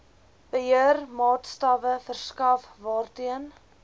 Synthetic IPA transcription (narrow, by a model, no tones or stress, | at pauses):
b̥əɦiərmɑːtstɐvəfərskɐfvɑːrtiən